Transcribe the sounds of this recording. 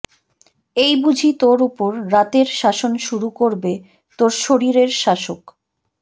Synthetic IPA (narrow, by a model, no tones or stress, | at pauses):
ejbud͡ʑʱit̪oɾupoɾːat̪eɾʃaʃonʃuɾukoɾbe | t̪oɾʃoɾiɾeɾʃaʃok